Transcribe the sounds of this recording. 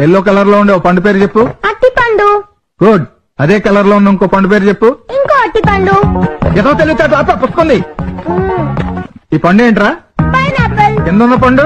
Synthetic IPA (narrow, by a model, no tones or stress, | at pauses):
elːoːk̬ɛlɐɾloːuɳɖeoːpɐɳɖup̬eːɾut͡ʃe̞pːuɐʈːipɐɳɖu | ɡ̥uːɖ | ɐd̪eːkɐlɐɾloːunːɐiŋkoːpɐɳɖup̬eːɾut͡ʃe̞pːuiŋkoːɐʈːipɐɳɖuɛd̪ɐt̪eliɡut̪aːʈ̬laːpːapusukund̪i | iːpɐɳɖeːɳʈɾaːpɐjnaːpːɐlkɪnd̪ɐnːɐp̬ɐɳɖu